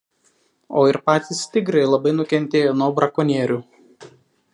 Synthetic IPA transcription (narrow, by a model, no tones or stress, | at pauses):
oːɪɾpɑːt̪ʲist̪ʲɪɡɾɐɪlˠɐbɐɪnʊkʲɛnʲˑt̪ʲeːjoːnuɔbɾɐkɔnʲeːɾʲuː